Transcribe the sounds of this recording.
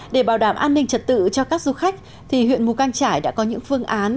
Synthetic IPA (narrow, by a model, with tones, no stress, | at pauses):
ɗe˧˩ɓaː˧˩wɗaː˧˩mʔaː˧nːï˧ŋ̟t͡ɕə˨˩t̚t̪ɨ̰˧˨t͡ɕɔ˧kaː˦˥k̚zu˨˧˦xa˦˥jk̟̚ | t̪ʰi˨˩hwḭ˧˨ənmu˨˩kaː˧ŋt͡ɕaː˧˩jɗa̰ː˧˥kɔ˨˦ɲɨ̰˧˥ŋfɨ˧əŋʔaː˨˦n